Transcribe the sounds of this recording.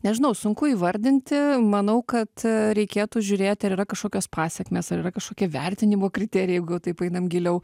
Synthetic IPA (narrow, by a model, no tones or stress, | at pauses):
nʲɛʒʲɪnɐʊsʊŋkʊiːʋɐɾʲd̪ʲɪnʲt̪ʲɪmɐnɐʊkɐt̪ɾʲɛɪkʲeːt̪uːʒʲʊɾʲeːt̪ʲɐɾiːɾɐkɐʃkoːkʲoːspɑːsʲɛkmʲeːsɐɾiːrɐkɐʃkoːkʲɛʋʲɛrʲt̪ʲɪnʲɪmoːkɾʲɪt̪ʲeːɾʲɪjɛɪɡʊjɛʊt̪ɐɪpɐɪnɐmɡʲɪlʲɛʊ